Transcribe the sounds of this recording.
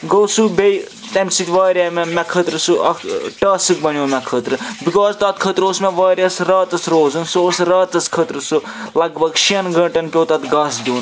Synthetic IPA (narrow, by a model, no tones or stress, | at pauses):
ɡowsubej | t̪ɐmsit̪ʲʋaːɾiamɛmɛkʰət̪ɾɨsuʔɐkʈaːsɨk̚bɐnjoːmʲɛkʰːət̪ɾɨbikɔːzt̪ɐt̪̚kʰət̪ɾoːsmɛʋaːɾiɐsɾaːt̪ɐsɾoːzɐnsoːsɾɐːt̪ɐskʰət̪ɾɨsu | lɐɡbɐɡʃiɐnɡɐ̃ːʈɐnpʲjoːt̪ɐt̪ɡɐːsd̪ʲuːn